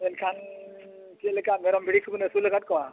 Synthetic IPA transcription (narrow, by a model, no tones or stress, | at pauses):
enkʰan | t͡ʃelekameɾɔmbʱiɽikʰubnesuləɡat̪̚kɔa